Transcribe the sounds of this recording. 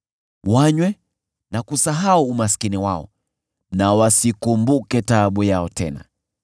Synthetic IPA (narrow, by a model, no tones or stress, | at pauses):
waɲwɛ | nakusaɦauːmaskiniwaɔ̰ | nawasikumbukɛtaɓujaɔtɛ̰na̰